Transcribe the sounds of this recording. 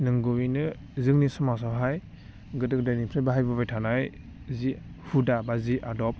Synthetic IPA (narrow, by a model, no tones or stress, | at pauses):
nɯŋɡɯwinɯ | zɯŋnisɔmas̬awɦaj | ɡɯdɯk̚dajnipʰɾajbaɦajbabajtʰanaj | zi | hudabaziʔadɔp̚